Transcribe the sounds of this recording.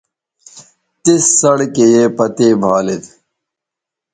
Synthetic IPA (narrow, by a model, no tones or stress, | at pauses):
t̪isːɐɽkejeːpɐt̪eːbʱaːlet̪